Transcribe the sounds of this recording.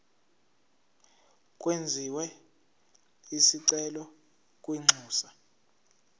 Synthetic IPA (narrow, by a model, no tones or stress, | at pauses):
kʼwend͡zʱiwɛ | isiǀɛlɔ | kʼwiŋ͡ǀʱuːsa